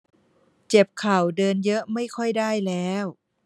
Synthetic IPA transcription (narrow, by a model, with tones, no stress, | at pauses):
t͡ɕe˨˩p̚kʰa˨˩wdɤː˧njɤ˦˥ʔma˥˩jkʰɔ˥˩jdaː˥˩jlɛː˦˥w